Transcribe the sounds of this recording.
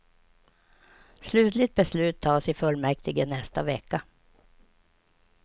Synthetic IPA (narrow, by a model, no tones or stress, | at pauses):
slʉ̟ːt̪lɪt̪̚bɛslʉ̟ːt̪ʰːɑːsɪfɵlmɛk̚t̪ɪɡənɛst̪avɛkːa